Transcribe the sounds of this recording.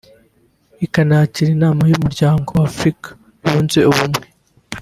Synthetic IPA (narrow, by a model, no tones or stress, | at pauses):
ikanaciɾinaːmajumuɾɟaːŋɡo̞afɾikḁ | βuːnzeuβumŋe̞